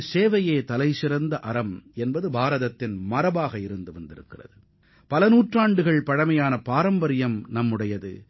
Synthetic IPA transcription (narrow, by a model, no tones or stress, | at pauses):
seːʋɐjeːt̪ɐlɐɪsɪɾɐnd̪ɐʔɐɾɐmɛnbɐðɯbʱaːɾɐðɐt̪ːɪnmɐɾɐbaːɣɐɪɾɯnd̪ɯʋɐnd̪ɪɾɯ̰kːɪrɐ̰ðɯ | pɐlɐnuːʈraːɳɖɯɣɐɭpɐɽɐmɐjaːnɐpaːɾɐmbɐɾɪjɐmnɐmːɯɽɐjɐðɯ̰